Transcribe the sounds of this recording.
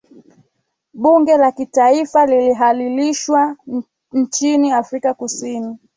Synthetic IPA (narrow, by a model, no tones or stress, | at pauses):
ɓuŋɡɛlakitaifaliliɦaliliʃwa | n̩t͡ʃiniafɾikakusini